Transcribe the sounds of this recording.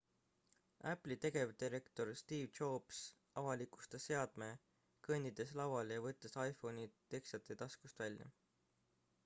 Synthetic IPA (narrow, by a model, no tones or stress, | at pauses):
æplit̪e̞ɡe̞vd̪iɾe̞kt̪o̞rst̪iːvt͡ʃoːbs | ɑvɑliku̥st̪ese̞ɑd̪̥me̞ | kɤnʲid̪̥e̞slɑwɑljɑvɤt̪ːˑesɑjfo̞nit̪e̞ksɑt̪ːˑet̪ɑskust̪vælʲjɑ̰